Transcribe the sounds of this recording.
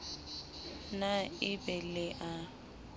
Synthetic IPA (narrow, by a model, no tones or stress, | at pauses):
naɪbɛlɪʔa